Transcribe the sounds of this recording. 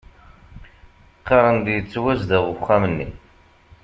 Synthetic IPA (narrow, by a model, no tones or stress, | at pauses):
qːɑɾˤənd̪jət͡sːwæzd̪æʁəχæmənːḭ